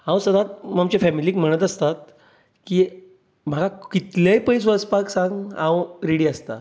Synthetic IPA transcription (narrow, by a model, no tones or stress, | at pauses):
hãw̃səd̪at̪̚mamt͡ɕefɛmiliːkm̤əɽ̃ət̪əst̪at̪̚ | kiː | m̤aɡakit̪ljãjpəjs̬ʋəspaksãŋɡɦãwɾeɽiːəst̪a̰